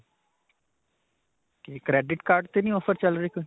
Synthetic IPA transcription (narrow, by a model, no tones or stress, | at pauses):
kekɾɛːɖɪʈkaːɾɖt̪eːnĩːɔːpʰəɾt͡ʃəlɾeːkon